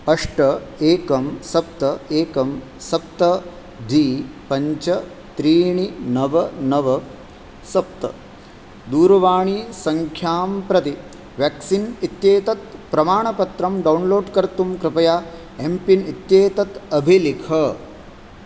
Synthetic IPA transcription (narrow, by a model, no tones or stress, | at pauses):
ɐʂʈɐeːkɐmsɐp̚t̪ɐeːkɐm | sɐp̚t̪ɐ | d̪ʱiːpɐɲt͡ʃɐ | t̪ɾiːɳinɐʋɐnɐʋɐ | sɐp̚t̪ɐ̰ | d̪uːɾɐʋaːɳ̃isɐŋkʰjaːmpɾɐt̪i | ʋjaksinit̪jeːt̪ɐt̪pɾɐmaːɳɐpɐt̪ɾɐmɖɐwnloːɖkɐɾt̪umkɾɪpɐjaː | empinit̪jeːt̪ɐt̪ɐbʱilikʰɐ